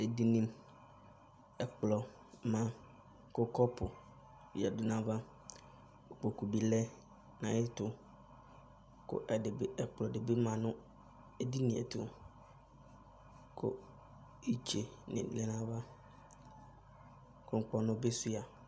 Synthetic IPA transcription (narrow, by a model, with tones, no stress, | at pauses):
ɛ˨di˦nĩ˦m | ɛ˨k͡plɔ˨ | mã˨ | kʊ˦kʰɔ˦pʰʊ˨ | ja˨dʊ˨nã˨ba˦ | o˨k͡po˨ku˨bi˨lɛ˦ | nã̰˨˦ɪ˦tʊ˨ | kʊ̰˦ʔɛ˨dɪ˨bɪ˦ɛ˨k͡pʊ˨lɔ˨dɪ˨bɪ˦mã˨nʊ̃˦ | ɛ˨di˦nɪ̃˨ɛ̰˨tʰʊ˨ | kʰʊ̰˦ | i˦t͡ɕʰe˨nɪ̰̃˨lɛ˦nã˦ba˦ | kʰʊ̃˦ŋ̩˦k͡pɔ˦nʊ̃˦be˦su˦a˨